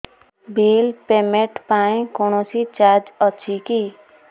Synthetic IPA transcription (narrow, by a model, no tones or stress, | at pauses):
bʱiːlpemẽʈpaːĩkoːnosit͡ʃaːɾd͡ʒətːʃʰiki